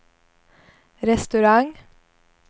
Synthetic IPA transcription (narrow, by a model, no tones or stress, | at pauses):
ɾɛst̪ʉɾɑŋ